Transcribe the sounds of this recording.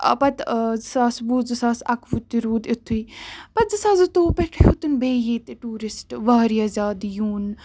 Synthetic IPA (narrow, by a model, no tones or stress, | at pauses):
pɐt̪zsaːsbuzɨsaːsɐkʰʋut̪ːiɾuːd̪it̪ʰːuiːpɐt̪̚zɨsaːzɨt̪oːpeʈʰeut̪unbeːjeːt̪eʈuːɾɪsʈʋaːɾijaːzʲaːd̪juːn